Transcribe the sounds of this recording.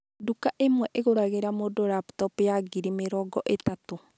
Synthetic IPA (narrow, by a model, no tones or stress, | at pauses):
dukaʔemwɛʔeɣoɾaɣeɾamodoɾaptɔpjaɡiɾimeɾɔːɡɔʔetato